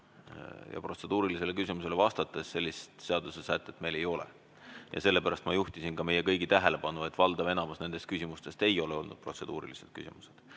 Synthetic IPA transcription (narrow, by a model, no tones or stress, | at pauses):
jɑ̰pro̞t̪se̞d̪̥uːɾilise̞le̞kysʲimuse̞lvɑst̪ɑt̪ːˑesːe̞lʲːist̪se̞ɑd̪usesæt̪ːˑet̪me̞jle̞jo̞lḛ | jɑ̰se̞lːe̞pæɾɑst̪mɑjuht̪isinkɑme̞je̞kɤjɡ̥it̪æɦele̞pɑnue̞t̪ːˑvɑld̪ɑve̞nɑmɑsne̞nd̪e̞st̪̚kysʲimust̪e̞st̪e̞jo̞le̞o̞lnud̪̥pro̞t̪se̞d̪uːɾḭlised̪̥̚kysḭmuse̞d̪̥